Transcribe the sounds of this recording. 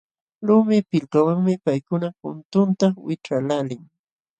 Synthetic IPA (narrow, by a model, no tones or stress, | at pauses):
ɾʊmɪpɪlkawaŋmɪpajkʊnakʊ̰nt̪ʊnt̪awɪʈ͡ʂalalɪŋ